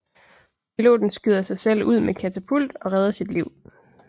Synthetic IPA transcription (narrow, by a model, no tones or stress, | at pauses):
pʰilo̝̰ːd̥n̩sɡ̥yð̞ˠɐsɑ̈ɪsel̰uð̰ˠmekʰæt͡sʰæpʰul̰d̥ɒ̽ʁɛðˠɐsid̥liʊ̰